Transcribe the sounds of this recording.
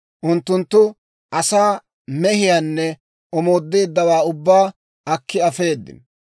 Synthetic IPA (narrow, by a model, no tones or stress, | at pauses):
ʔʊnt̪ːʊnt̪ːʊ | ʔɐsaː | mɛhɪjaːnːɛ | ʔɔmo̞ːd̪ːeːd̪ːɐwaːʊbːaː | ɐkːɪɐfe̞ːd̪ːɪ̰n